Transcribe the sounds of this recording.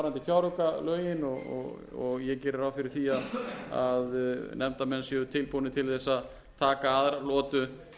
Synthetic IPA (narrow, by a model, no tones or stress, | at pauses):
ɾant̪ɪçjaːwɾœkalœːɥjɪnɔɣɔ̰ɣ | ɔɣjɛcɛːɾɪɾawfɪɾɪɾ̥θiaða̰ðnʔɛmt̪amɛnsjɛʏt̪ʰɪlpunɪt̪ʰɪlθɛsːað | t̪ʰaːkaaðɾalɔːt̪ʏ